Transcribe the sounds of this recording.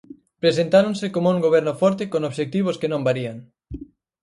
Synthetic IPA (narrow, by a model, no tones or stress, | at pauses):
pɾesent̪aɾoŋsekomouŋɡoβ̞ɛɾnʊfɔɾt̪ekonoβʃek̚t̪iβ̞ʊskenõmbaɾiaŋ